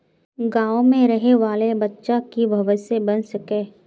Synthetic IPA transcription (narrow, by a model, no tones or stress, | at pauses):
ɡãːõmẽɾɐɦeʋaːlebɐtːʃakibʱɐʋəsebɐnsɐkẽː